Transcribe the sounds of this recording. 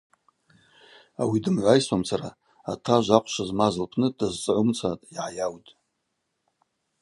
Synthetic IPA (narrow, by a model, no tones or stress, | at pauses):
awidɨmʕʷajsamt͡sʰaɾa | atʰaʒʷaqʷʰʼʃazmazɨlpʰnɨdazt͡sʼʕʊmt͡sʰatʼiʕajawtʼ